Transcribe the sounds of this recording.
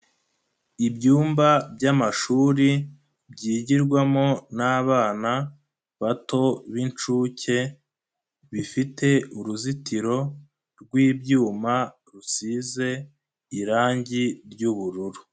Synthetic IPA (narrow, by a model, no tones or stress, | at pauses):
ibɟuːmbabɟamaʃuːɾi | bɟiːɟiɾɡwamo̞naːβaːna | βato̞βint͡ʃuːce̞ | βifite̞uɾuzitiɾo̞ | ɾɡwiːbɟuːma | ɾusize̞ | iɾaːɲɟiɾɟuβuɾuɾu